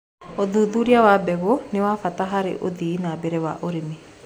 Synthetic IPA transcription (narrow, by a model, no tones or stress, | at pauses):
od̪ud̪uɾiawabɛɣoniwafat̪aɦaɾɪ̰ʔo̰d̪iːnabɛɾɛwa̰ʔoɾimi